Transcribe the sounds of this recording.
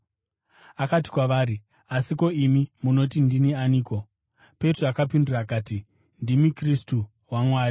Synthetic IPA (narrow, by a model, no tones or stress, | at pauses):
akat̬i̥kwaʋaːɾi | asiko̞imimuno̞tindinianiːko̞ | pe̞troakapindiraːkaːti | ndimikristu | wamwaːri